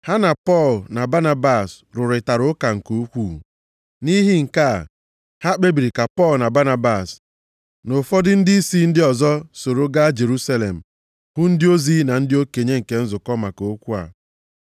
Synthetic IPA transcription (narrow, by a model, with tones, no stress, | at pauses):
ha˦na˨pɔ˦˨lna˨ba˦na˦ba˨s | ɾʊ˨ɾɪ˨ta˨ɾʊ˦ka˨ŋ̩˨ko˦kʷu˦˨ | ni˦ɦɪ˦ŋ̩˨ka˦˨ | ha˦k͡pe˦bi˨ɾi˨ka˨pɔ˦lna˨ba˦na˨ba˨s | no˨fɔ˦dɪ˦n̩˦dɪ˦i˦si˦n̩˦dɪ˦ɔ˨zɔ˦so˨ɾo˦ɡa˦d͡ʒe˨ɾu˦sa˦le˨m̩˨ | hʊ˦n̩˦dɪ˦o˦zi˦na˨n̩˦dɪ˦o˦ke˨ɲe˦ŋ̩˨ke˨n̩˦zʊ˨kɔ˦ma˨ko˨˦kʷu˦a̰˨